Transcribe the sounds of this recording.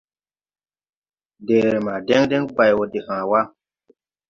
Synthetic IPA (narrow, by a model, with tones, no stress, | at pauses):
de˨ɾe˨ma˨de˦ŋdɛ˦ŋk͡pa˨jwo˨de˨hãː˨wa˦